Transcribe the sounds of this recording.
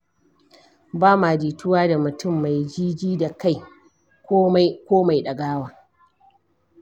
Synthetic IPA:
baː˦maː˨d͡ʒiː˨tʰʊ˦waː˦da˨mʊ˨tʊ˦˨mːa˨jd͡ʒiː˦d͡ʒiː˦da˨ka˦j | kːkʷoː˦ma˨jɗɐ˨ɡaː˦waː˦

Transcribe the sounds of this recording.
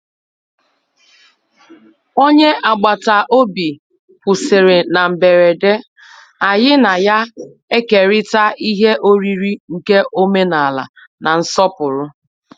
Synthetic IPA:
o˦ɲe˦ʔa˨ɡ͡ba˨ta˨ʔo˦bi˨ | pʊ˨sɪ˨ɾɪ˨na˨m̩˨be˨ɾe˨de˦ | a˨jɪ˦na˨ja˦ | e˦ke˨ɾɪ˦ta˦i˦ɦe˦ʔo˦ɾi˦ɾi˦ŋ̩˨ke˦ʔo˦me˦na˨la̰˨ | na˨n̩˦sɔ˦pʊ˨ɾʊ˦

